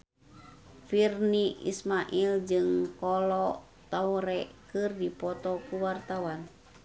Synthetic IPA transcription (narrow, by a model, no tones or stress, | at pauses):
firniʔḭsmaʔild͡ʒɨŋkɔlɔ | t̪auɾɛkɨrdipɔt̪ɔkuwart̪awan